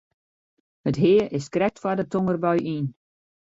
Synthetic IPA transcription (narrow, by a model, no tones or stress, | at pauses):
hətɦɪəɪskrɛk̚tfwadətoŋərbœɥʔin